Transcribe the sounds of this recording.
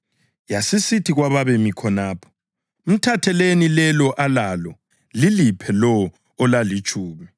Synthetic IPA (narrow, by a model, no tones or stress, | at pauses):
jasisitʰiɣwaβaβemikʰɔnaːpʰɔ̥ | m̩tʰatʰɛlenilɛlɔʔalalɔ | lilipʰɛlɔː | lalit͡ʃʼʰuːmi